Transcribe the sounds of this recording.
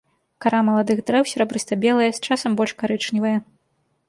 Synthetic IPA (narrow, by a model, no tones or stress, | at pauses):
kaɾamɐlˠad̪ɨxd̪ɾɛwsʲɛɾɐbɾɨsʲt̪ɐbʲɛlˠɐjɐst͡ʂasɐmbɔlʲʂkaɾɨt͡ʂnʲivɐjɐ